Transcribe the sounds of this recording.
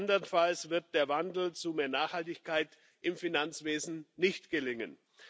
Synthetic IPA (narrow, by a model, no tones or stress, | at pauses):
ndəʁənfalsv̥ɪɐt̚d̥eːɐvandl̩t͡sumeːɐnaːχhaltɪçkaɪt | ʔɪmfinant͡sv̥eːzn̩nɪçtɡ̥əlɪŋən